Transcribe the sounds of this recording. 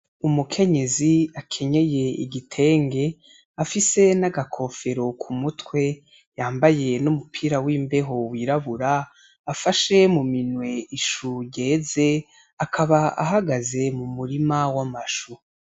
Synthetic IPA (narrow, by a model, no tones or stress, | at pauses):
umukʰe̞ɲe̞ziakʰe̞ɲe̞je̞ḭɡitʰe̞ːŋɡe̞ | afise̞naɡakʰo̞fe̞ɾo̞kʰumutwe̞ | jaːmbaje̞numupʰiːɾawiːmbe̞ɦo̞wiɾaβuɾaː | faʃe̞muminwe̞iʃuɟe̞ːze̞ | akʰaβaa̰ɦaɡaze̞mumuɾimawamaʃu